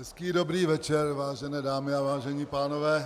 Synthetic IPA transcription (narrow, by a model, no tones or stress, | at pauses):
ɦɛskiːdo̞bɾiːvɛt͡ʃɛɾvaːʒɛnɛːdaːmɪavaːʒɛɲiːpaːnovɛː